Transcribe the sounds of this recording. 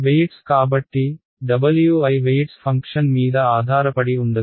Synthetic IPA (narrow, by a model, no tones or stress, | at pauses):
ʋejʈskaːbɐʈːi | ɖɐbɐljuɐjʋejʈspʰɐŋkʂɐnmiːd̪ɐaːd̪ʱaːɾɐpɐɽiund̪ɐ